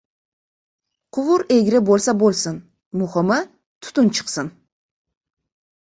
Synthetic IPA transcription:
qʰʊvʊɾeɡʲɾɪbolˠsabolˠsɪn | mʊhɨmɪ | t̪ʰʊ̥t̪ʊnt͡ʃʰɨ̥qsɪn

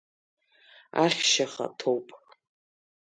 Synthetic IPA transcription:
aχʲʃaχa̰tʰowpʼ

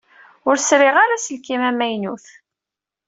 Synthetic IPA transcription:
ʊɾsɾɪʁaɾasəlkimæmæjnuθ

